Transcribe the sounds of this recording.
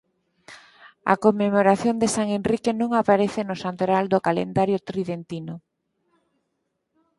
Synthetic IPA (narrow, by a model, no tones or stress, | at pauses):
a̰komːemoɾaθjond̪esaŋenrikenõŋapaɾeθenʊsant̪oɾald̪ʊkalḛnd̪aɾjʊt̪ɾiðent̪inʊ